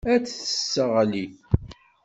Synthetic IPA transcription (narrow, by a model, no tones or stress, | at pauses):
æt͡sːθə̥sːəʁæli